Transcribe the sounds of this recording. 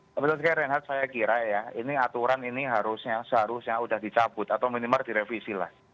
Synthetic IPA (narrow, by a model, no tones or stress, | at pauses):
bət̪ʊlskajaɾɛnɦat̪̚sajakiɾajainiat̪uɾaniniɦaɾʊsɲasəɦaɾʊsɲaudahd̪̥it͡ʃab̥ʊt̪̚at̪awminimard̪̥iɾefisila̰h